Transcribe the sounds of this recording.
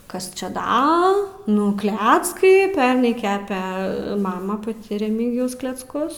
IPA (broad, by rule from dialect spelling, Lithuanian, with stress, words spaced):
ˈkɐs ˈt͡ʃʲɛ ˈdɐ ˈnʊ ˈklʲæːt͡skɐɪ ˈpʲɛrnɐɪ ˈkʲæːpʲɛ ˈmɑːmɐ pɐˈtʲɪ rʲɛˈmʲiːɡʲɪjɛʊs klʲɛt͡sˈkʊs